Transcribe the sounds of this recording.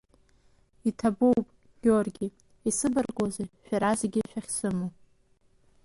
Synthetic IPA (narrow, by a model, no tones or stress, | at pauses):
itʰabowpʼ | ɡʲorɡʲɪ | isɨbɨrɡʼozeʃᶣaɾazeɡʲɪʃᶣaχʲsɨmu